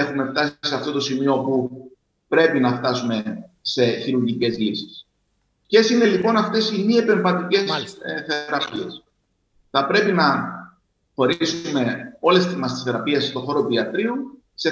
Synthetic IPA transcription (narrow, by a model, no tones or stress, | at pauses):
e̞xume̞ft̪ɐsi̥seɐft̪o̞t̪o̞simio̞pu | pɾe̞pinɐft̪ɐsume̞se̞çiɾuɾʝice̞zlisi̥s | cesine̞lipo̞nɐft̪e̞simiepe̞ɱvɐt̪ice̞sθe̞ɾɐpies | θɐpɾe̞pinɐ | xo̞ɾsume̞o̞le̞st̪izmɐst̪isθeɾɐpiesst̪o̞xo̞ɾopiɐt̪ɾiu | se̞